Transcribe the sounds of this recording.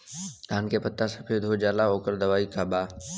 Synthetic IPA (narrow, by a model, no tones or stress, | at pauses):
d̪aːnkepət̪ːasɐpʰed̪ʱod͡ʒaːlaɦoːkəɾd̪ɐʋaːikaːbaː